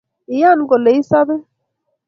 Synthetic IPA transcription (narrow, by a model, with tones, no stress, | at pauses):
i˨ja˦˨nɡo˨le˨i˦sa˦be˦